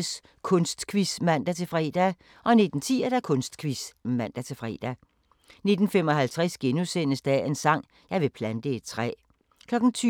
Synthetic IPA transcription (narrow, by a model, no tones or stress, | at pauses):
s | kʰɔ̽nsd̥kʰʋismæn̰d̥æt͡sʰe̝fʁɛ̰ːd̥æ | ʔɒ̽ne̝d̥n̩t͡sʰḭːɐd̥ækʰɔ̽nsd̥kʰʋismæn̰d̥æt͡sʰe̝fʁɛ̰ːd̥æ | ne̝d̥n̩femɒ̽hælt͡sʰʁɛsɡ̥enusen̰əsd̥ɛ̰e̝nsɑ̈ŋ̰ | jɑ̈ɪʋe̝pʰlænd̥əed̥̚t͡sʰʁɛ̰ː | kʰlɒ̽ɡ̥n̩t͡sʰː